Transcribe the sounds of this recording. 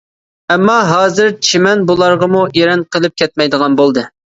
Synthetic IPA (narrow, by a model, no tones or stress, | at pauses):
ɛmːɑɦɑːzɪɾt͡ʃʰimɛnbulˠɑɾʁɑmueɾɛnqʰəlˠɨp̚kʲʰɛt̪̚mɛjd̪əʁɑnbolˠd̪ɨ